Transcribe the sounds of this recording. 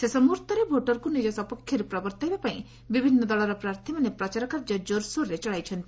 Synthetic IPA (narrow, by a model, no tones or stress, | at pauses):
sesɔmuɾt̪ɔɾebʱoʈɔɾkunid͡ʒɔsɔpɔkʰːjɔɾepɾɔbɔɾt̪ajbapaĩ | bibʱinːɔd̪ɔɭɔɾɔpɾaɾt̪ʰimanepɾɔt͡ʃaɾɔkaɾd͡ʒɔd͡ʒoɾsoɾːet͡ʃɔɭajt͡ʃʰɔnt̪i